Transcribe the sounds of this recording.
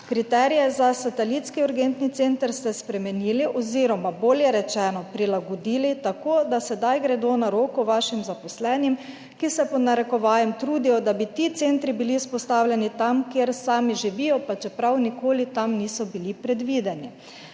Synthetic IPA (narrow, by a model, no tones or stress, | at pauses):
kɾit̪ɛːɾijɛzasat̪ɛlit̪skiuɾɡent̪nit̪sent̪əɾst̪ɛspɾɛmɛniːliʔɔziɾɔmaboːljɛɾɛt͡ʃɛːnɔpɾilaɡɔd̪iːlit̪akoːd̪asɛd̪ajɡɾɛd̪onaɾoːkɔʋaːʃimzapɔslɛːnim | kisɛpɔnaɾɛkɔʋaːjɛmt̪ɾuːd̪ijɔd̪abit̪it̪sent̪ɾibiliuspɔst̪aːwlʲjɛnit̪amkeɾsaːmiʒiʋijɔpat͡ʃɛpɾawnikoːlit̪amniːsɔbilipɾɛd̪ʋiːd̪ɛni